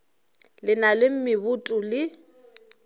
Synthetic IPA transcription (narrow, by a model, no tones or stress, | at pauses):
lɪnalɪm̩mɪβʊtʼʊlɪ